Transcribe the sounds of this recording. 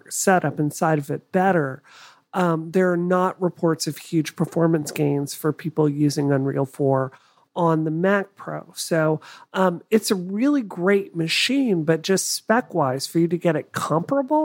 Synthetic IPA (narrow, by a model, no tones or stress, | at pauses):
sɛɾʌpɨ̃nsaɪɾʌvɨt̚b̥ɛɾə˞ | ʔʌ̃ðə˞ːnəʔ̚ɹɨpʰɔɹtsʌv̥hjʉd̥ʒ̥pʰə˞fɔɹmɨ̃nsɡ̥ẽɪ̃nz̥fə˞pʰipl̩ˠjʉzɪ̃ŋə̃nɹḭlˠfɔɹ | ʔə̃nðɨmæk̚pʰɹ̥o̰ʊsoʊʔʌɨtsɨɹɪlˠiɡɹeɪt̚mɨʃĩnbʌt̚d̥ʒ̥ʌstspɛkwaɪz̥fə˞jɨɾɨɡɛɾɨt̚kʰʌ̃mpɹəbl̩ˠ